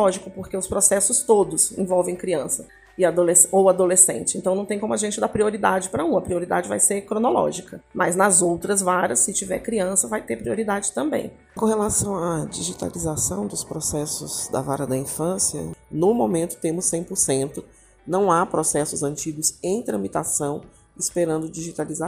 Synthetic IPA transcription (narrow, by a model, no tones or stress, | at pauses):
ɔʒikʊpoɾkeʊspɾosɛsʊst̪od̪ʊsḛ̃vɔwvẽj̃kɾiɐ̃sɐ | ɪad̪olesowad̪olesḛ̃nt͡ʃɪsẽnt̪ɐ̃nɐ̃w̃t̪ẽkõmʊaʒẽnt͡ʃɪd̪apɾioɾid̪ad͡ʒɪpɾɐũɐpɾioɾid̪a̰d͡ʒɪva̰jseɾkɾõnolɔ̰ʒikɐmɐznɐzowt̪ɾɐzvaɾɐsːɪt͡ʃivɛ̰ɾkɾiɐ̃sɐvajt̪epɾioɾid̪ad͡ʒɪt̪ɐ̃mbḛ̃j̃ | kõhelasɐ̃w̃ɐd͡ʒiʒit̪a̰lizasɐ̃w̃d̪ʊspɾosɛsʊz̥d̪ɐ̰va̰ɾɐd̪ɐĩfɐ̃siɐ̰nʊmõmẽnt̪ʊ̥t̪ẽmʊsːẽj̃poɾsẽnt̪ʊ | nɐ̃w̃apɾosɛsʊzɐ̃nt͡ʃiɡʊzẽj̃t̪ɾɐ̃mit̪asɐ̃w̃ | ɪspeɾɐ̃nd̪ʊd͡ʒiʒit̪aliza